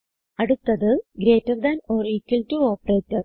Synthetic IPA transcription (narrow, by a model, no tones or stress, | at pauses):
ɐɽut̪ːɐðɨɡɾe̞ːtːɐʋd̪ɐnoːriːkːiltuoːpɐreːtːɐ